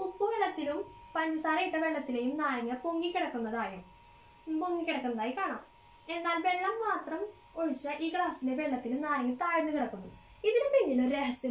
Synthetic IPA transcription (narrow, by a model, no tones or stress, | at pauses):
pupːuʋeɭːɐt̪ːilumpɐndɐsaːɾɐjiʈːɐʋe̞ɭːɐt̪ːile̞jumnaːɻɐŋːɐpoŋɡikʲːiɽɐkːunːɐðaːjum | poŋɡikʲːiɽɐkːunɐðaːjikaːɳaːm | e̞nːaːlbe̞ɭːɐmːaːt̪rɐm | oɻit͡ɕːɐʔiːkɭaːsileʋe̞ɭːɐt̪ːilumnaːɳɐŋːɐt̪aːɻinːukiɽɐkːunːṵ | iðinupenːilumɾeɦɐsjɐ